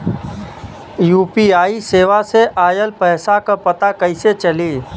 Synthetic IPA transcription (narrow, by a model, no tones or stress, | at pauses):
juːpiaːiseːʋaseʔaːjəlpɛɦsakapət̪akəɪset͡ʃəliː